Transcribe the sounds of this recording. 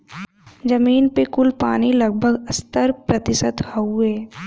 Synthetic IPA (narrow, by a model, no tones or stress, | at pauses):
d͡ʒɐmiːnpekʊlpaːnilɐɡ̚bʱəɡɐst̪əɾpɾɐt̪ɪsət̪hɐueː